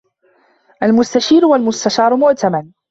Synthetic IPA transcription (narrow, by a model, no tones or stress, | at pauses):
ʔalmʊst̪aʃiːɾʊwalmʊst̪aʃɑːɾˤʊmʊʔt̪aman